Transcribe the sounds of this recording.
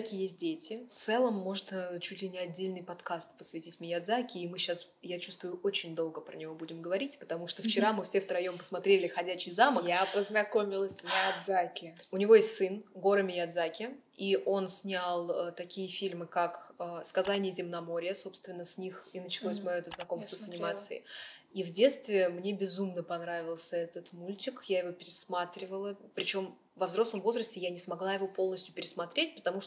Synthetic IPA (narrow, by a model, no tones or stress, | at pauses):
kʲɪjes̬ʲt̚ʲdʲetʲɪft̪sɛlˠəmːo̞ʐnət͡ɕutʲlʲɪnʲɪɐdʲːelʲnɨjpɐt̪kast̪pə̥svʲɪtʲitʲmʲɪjaɐd̪zakʲɪːmɨɕas | jat͡ɕu̥st̪vʊjʊʔo̞t͡ɕɪnʲd̪o̞lˠɡəpɾənʲɪvo̞budʲɪmɡəvɐɾʲitʲpə̥t̪ɐmuʂt̪oft͡ɕɪɾamɨfsʲe̞ft̪ɾɐjo̞mpə̥smɐt̪ɾʲelʲɪxɐdʲæɕɪjzaməkjapəznɐko̞mʲɪlˠəsʲmʲɪjɐd̪zakʲɪʊnʲɪvo̞jesstʲsɨnɡo̞ɾɨmʲɪjɐd̪zakʲɪ | iʔo̞nsʲnʲalˠət̪ɐkʲijəfʲilʲmɨkakəskɐzanʲɪjəzʲɪmnɐmo̞ɾʲɪjəso̞pst̪vʲɪnːəsʲnʲixinət͡ɕɪlˠosʲmɐjoɛt̪əznɐko̞mst̪vəsənʲɪmat̪sɨ̰ɪ̰ | ivdʲe̞t̪st̪vʲɪmnʲe̞bʲɪzumnəpɐnɾavʲɪlˠsʲəɛt̪ət̪mulʲtʲɪkjajɪvo̞pʲɪɾʲɪsmat̪ɾʲɪvəlˠəpɾʲɪt͡ɕo̞m | vɐvzɾo̞sləmvo̞zɾəsʲtʲɪjanʲɪsmɐɡlˠajɪvo̞po̞lˠnəsʲtʲjʊpʲɪɾʲɪsmɐt̪ɾʲet̚ʲpə̥t̪ɐmuʂ